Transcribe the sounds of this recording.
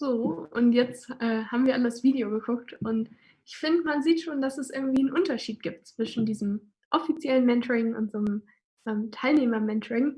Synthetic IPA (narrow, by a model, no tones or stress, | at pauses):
z̥oːʔʊ̰ntjɛt͡stʔɛːhaːbm̩viːɐalədasv̥iːdeoɡəkʰʊk̚tʔʊnt | ʔɪçfɪndəmanziːtʃoːnd̥asɛsʔɪɐɡŋ̩tv̥iːənʔʊntɐʃiːt̚ɡ̥iːp̚tt͡sv̥ɪʃn̩diːzm | ʔɔfit͡sjɛlənmɛntʰəʁɪŋʊ̰ntz̥oːm | ʔɛːmtʰaɪlneːmɐmɛntʰəʁɪŋ